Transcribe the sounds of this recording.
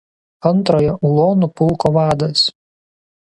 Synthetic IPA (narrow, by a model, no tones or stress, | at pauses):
ɐnˑt̪ɾoːjɛʊlˠoːnʊpʊlˠˑkɔːʋɑːd̪ɐs